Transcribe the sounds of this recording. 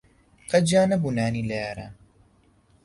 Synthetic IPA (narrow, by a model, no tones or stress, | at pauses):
qɐd͡ʒaːnɐbunaːnileaɾa